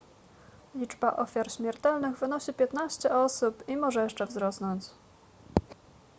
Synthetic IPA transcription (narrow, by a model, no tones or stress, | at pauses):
lʲid͡ʐbaʔɔfʲjaɾɕmʲjɛɾt̪ɛlnɘɣvɘnɔɕipʲjɛt̪naɕt͡ɕɛɔsupimɔʐɛjɛʂt͡ʂɛvzɾɔsnɔɲt͡ɕ